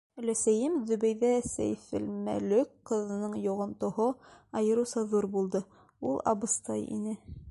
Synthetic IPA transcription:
læsæjɘmðɵ̆βæjðæsæ̰jfɘ̰̆lmæ̰lɵkqːɤ̆ðɤ̆nɤɴjoʁŏmt̪ŏhoɑjɤ̆ɾɤ̆sɑðuɾbulˠd̪ɤ | ulˠɑ̰bɤ̆st̪ɑjḭnɘ

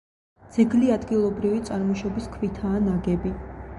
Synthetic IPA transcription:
d̪z̥ɛɡliad̪ɡilˠɔbɾivit̪sʼaɾmɔʃɔbiskʰvit̪ʰaːnaɡɛbi

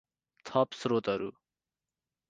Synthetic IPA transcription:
t̪ʰɔpsɾot̪ɐɾṵ

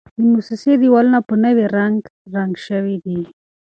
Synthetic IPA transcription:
d̪əmusɪsed̪iwalənapənəweɾaŋɡɾaŋɡʃəwid̪i

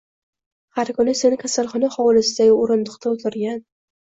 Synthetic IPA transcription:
haɾkʊnase̞nɪkʲʰasalˠχɒnaχɒwlɪsɪd̪aɡʲɪoɾɪnd̪ʊqt̪ʰaʊt̪ʰɪɾɡʲan

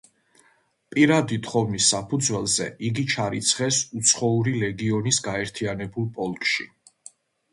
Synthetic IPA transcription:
pʼiɾad̪it̪ʰχɔvnisːapʰud̪zwɛlˠzɛʔiɡit͡ʃʰaɾit̪sʰχɛsut̪sʰχɔuɾilɛɡiɔnisɡaɛɾt̪ʰianɛbulˠpʼɔlˠkʼʃi

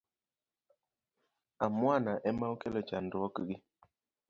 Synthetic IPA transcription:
amwanaʔɛmaukɛlɔt͡ʃandwɔkɡɪ

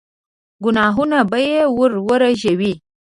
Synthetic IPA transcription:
ɡʊnaɦunabajewʊɾwəɾaʒewi

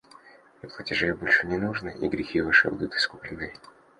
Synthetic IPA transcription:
ɪplˠətʲɪʐɨbolʲʂɨnʲɪnuʐnɨʔḭɡɾʲɪxʲivɨʂɨ̰bud̪ud̪ut̪ɨ̥skuplʲɪnːɨj

